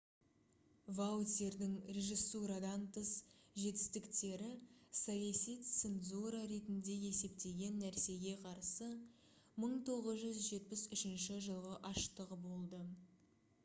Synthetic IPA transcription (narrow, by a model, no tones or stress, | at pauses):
vat̪eɾd̪ɪŋrʲe̞ʒisːuɾad̪ɑnt̪ʰəsʒe̞t̪ɪ̥st̪ɪkt̪e̞ɾɪsajɑsijt̪senzuɾaɾe̞t̪ɪnd̪e̞je̞se̞pt̪e̞ɡʲe̞nːæɾse̞ɡʲe̞qʰɑɾsə | məɴt̪ʰo̞ʁəzʒʏzʒe̞t̪̚pɪsʏʃɪnʃɪʒəlˠʁəʔɑʃt̪əʁəbo̞lˠd̪ə